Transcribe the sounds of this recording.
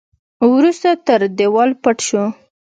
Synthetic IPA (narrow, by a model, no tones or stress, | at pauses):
wɾust̪at̪əɾd̪ewɑlpaʈʃo